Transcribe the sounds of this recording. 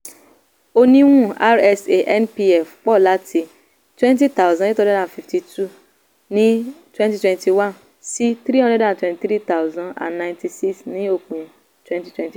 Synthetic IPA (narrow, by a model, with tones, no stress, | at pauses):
o˦nĩ˦ŋʷũ˦˨a˦ɾɛ˦se˨ʔɛ˦npi˦ɛ˨fk͡pɔ˦˨la˦tʰi˧ | twɛ̃˦nti˦ta˦˨wzã˨nɪ˦tɔ̃˦dɛ˦dã˨n˨fi˨fti˨tʰu˦ | nĩ˦twɛ̃˦nti˦twɛ̃˦nti˨wã˦n | si˦t̪ɾi˦ɦɔ̃˦dɛ˦dã˨ntwɛ̃˨nti˨˦tɾi˦t̪a˦wzã˨nã̰˨nːã˨j̃nti˨si˦ksnĩ˦o˨ku˨e˨ | twɛ̃˦nti̥˦twɛ̃˦˨nti˨